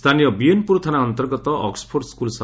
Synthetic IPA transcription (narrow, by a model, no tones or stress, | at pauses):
st̪ʰanijɔbienpuɾt̪ʰanaɔnt̪ɔɾɡɔt̪ɔʔɔ̰ksɔ̥pʰoɾskulsa